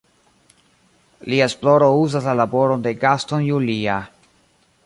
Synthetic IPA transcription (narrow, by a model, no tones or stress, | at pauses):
liaesplo̞ɾo̞uzaslalabo̞ɾo̞nde̞ɡastonjulia